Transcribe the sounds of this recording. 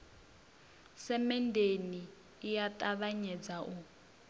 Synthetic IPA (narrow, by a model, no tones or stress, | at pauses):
sɛmɛndeniː | jatʼaβaɲɛd͡zaʔu